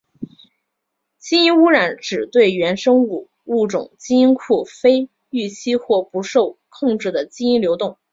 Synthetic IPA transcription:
t͡ɕi˥i˥nu˥ɻa˧˥nʈ͡ʂɻ̩˨˩t̪we˥˩ɪɥɛ˧˥nʂɤ˥ŋu˥˩ | u˥˩ʈ͡ʂʊ̰˨˩ŋt͡ɕi˥i˥nkʰu˥˩fe˥ɪ | y˥˩t͡ɕʰi˥xwɔ˥˩pu˧˥ʂo˥˧ʊkʰʊ˥˧ŋʈ͡ʂɻ̩˥˩d̪ə˩t͡ɕi˥i˥nljo˧˥ʊt̪ʊ˥˩ŋ

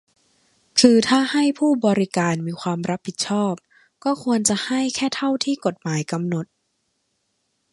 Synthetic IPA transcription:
kʰɯː˧t̪ʰaː˥˩ha˥˩jpʰuː˥˩bɔː˧ɾi˦˥kaː˧nmiː˧kʰwaː˧mɾa˦˥pʰːi˨˩t̪̚t͡ɕʰɔː˥˩p̚ | kɔː˥˩kʰu˧ənt͡ɕa˨˩ʔha˥˩jkʰɛː˥˩t̪ʰa˥˩wt̪ʰiː˥˩ko˨˩t̪̚maː˩˦jka˧mno˨˩t̪̚

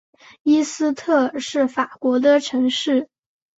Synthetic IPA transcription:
i˥sɹ̩˥t̪ʰɤ˥˧ʂɻ̩˥˩fa˨˩kwɔ˧˥d̪ə˧ʈ͡ʂʰɤ˧˥ŋʂɻ̩˥˩

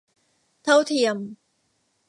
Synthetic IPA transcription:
t̪ʰɐ˥wt̪ʰi˧˩əm

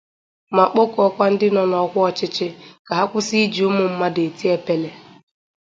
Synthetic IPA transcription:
ma˨k͡po˦kɔ˦kʷa˦n̩˦dɪ˦nɔ˨nɔ˨˦kʷʊ˦ɔ˦˨t͡ʃɪ˦t͡ʃɪ˦ka˨ɦa˦kʷʊ˦si˦d͡ʒi˨ʊ˦mʊ˦m̩˦ma˦de˨ti˦e˦pe˦le˦

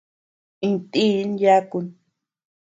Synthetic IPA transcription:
ĩ˧nt̪i˦nja˦ku˧n

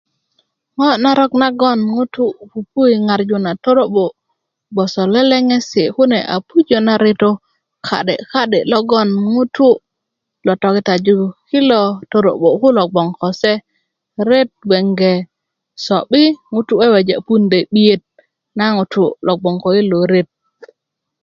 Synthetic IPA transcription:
ŋɔ˦na˨ɾo˦kna˦ɡo˦nŋu˦tu˦˨pu˨pu˦i˨ŋa˨ɾd͡ʒu˦na˨to˦ɾo˦ɓo˨ | ɡ͡bo˨so˨le˦le˦ŋe˦si˨ku˦ne˨ʔa̰˨pu˦d͡ʒo˨na˨ɾe˦to˦ | kʰa̰˨ɗḛ˨ka˦ɗe˨lɔ˦ɡo˦nŋu˦tu˦ | lo˨to˨ki˨ta˨d͡ʒu˦ki˦lo˨to˨ɾo̰˨ɓo˨ku˦lo˨ɡ͡bo˨ŋko˨se˦ | ɾe˦t̚ɡ͡be˨ŋɡe˨ | so˨ɓi˦ŋu˨tu˦e˦we˨d͡ʒe˨pu˦nde˨ɓi˦je˦t̚ | na˦ŋu˨tu˦lo˨ɡ͡bo˨ŋko˨i˦lo˨ɾe˦t̚

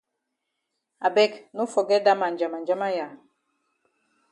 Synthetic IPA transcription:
a˨bɛ˦knu˦fɔ˨ɡɛ˦da˦ma˨nd͡ʒa˨ma˨nd͡ʒa˦ma˦ja˨

